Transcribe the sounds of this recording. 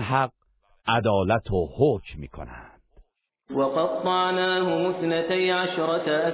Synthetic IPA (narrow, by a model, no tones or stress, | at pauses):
ɦæq̚ | ʔæd̪ɒːlæt̪ʰohoːcʰmḭːkʰo̰næ̰nd̪̥ | wɑqɑd̪ˤːɑʕnaːɦʊmʊθnat̪ajʕaʃɾˤɑt̪aʔa